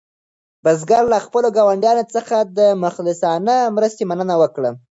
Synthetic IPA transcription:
bəzɡaɾlaxpəloɡɑwaɳɖjɑnot͡səxad̪əmʊxlɪsɑnəmɾəst̪emanənawəkɽə

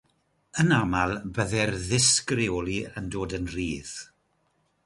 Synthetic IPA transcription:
ənamalˠbəðɛrðɪskrɪɔlˠiəndoːdənriːð̥

